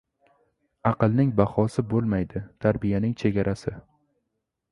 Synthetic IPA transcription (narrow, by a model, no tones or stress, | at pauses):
ɑqɨlˠnɪŋbahɒsɪbolˠmajd̪ɪt̪ʰaɾbɪjanɪŋt͡ʃʰe̞ɡʲaɾʔasɪ